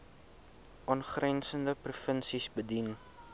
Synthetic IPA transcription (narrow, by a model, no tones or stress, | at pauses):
ʔɔnχrɛnsəndəprufənsisbədin